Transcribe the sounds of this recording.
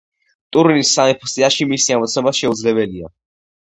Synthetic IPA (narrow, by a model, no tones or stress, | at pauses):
t̪ʼuɾinisːanipʰɔst̪ʼiaʃimisiamɔt̪sʰnɔbaʃɛud̪zlɛbɛlia̰